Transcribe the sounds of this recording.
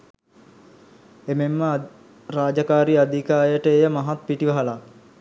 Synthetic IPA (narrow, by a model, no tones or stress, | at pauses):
ememːə | raːd͡ʒakaːɾiad̪ʱikaːjəʈəeːjəmaɦat̪̚piʈiʋɐɦɐla